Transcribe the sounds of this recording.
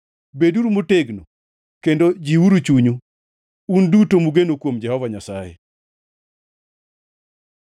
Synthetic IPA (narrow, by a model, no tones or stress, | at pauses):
beduɾumoteɡno | kendod͡ʒiuɾut͡ʃuɲu | undutomuɡenokwomd͡ʒɛhɔvaɲasajɛ̰